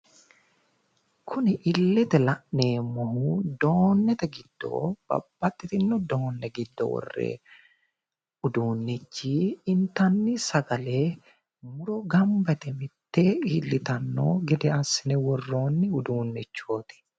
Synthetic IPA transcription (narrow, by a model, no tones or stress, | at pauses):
kʰʊnɪʔɪlːɪt̪ɛlɐʔne̞ːmɔhud̪oːnːɛt̪ɛɡɪd̪̥ːo̰ːb̥ɐ̰b̥ːɐt̪ʼːɪt̪ɪnːɔd̪oːnːɛɡɪd̪ːɔ̰wɔ̰rːḛː | ʊd̪uːnːɪt͡ʃːiːɪnt̪ɐnːɪsɐɡɐleː | mʊɾɔɡɐmbɛt̪ɛmɪt̪ːeːiːlːɪt̪ɐnːo̰ːɡɛd̪ɛɐsːɪnɛwɔrːo̞ːnːɪʊd̪uːnːɪt͡ʃːo̞ːt̪ɪ̥